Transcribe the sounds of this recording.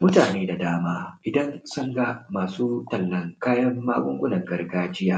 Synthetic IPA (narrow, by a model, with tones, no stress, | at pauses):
mʊ˦taː˨neː˦da˨daː˦maː˦ʔɪ˨dɐ˦nsʊ˦ŋɡa˦maː˨suː˦tɐ˨lːɐ˨ŋkaː˦jɐ˦mːaː˦ɡʷʼʊ˦ŋɡʷʊ˦nɐ˨ŋɡɐ˦rɡaː˦d͡ʒɪ˦jaː˦